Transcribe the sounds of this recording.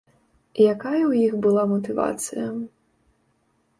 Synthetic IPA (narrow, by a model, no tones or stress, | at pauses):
ijakajɐwjixbɨlˠamɐt̪ɨva̰t̪sɨjɐ